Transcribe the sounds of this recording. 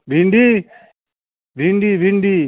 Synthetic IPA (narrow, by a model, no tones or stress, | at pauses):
bʱiɳɖi | bʱiɳɖibʱiɳɖiː